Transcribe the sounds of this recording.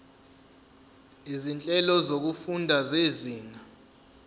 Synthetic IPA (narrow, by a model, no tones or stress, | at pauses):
izint͡ɬʼɛlɔzok̬ufundʱazeziːna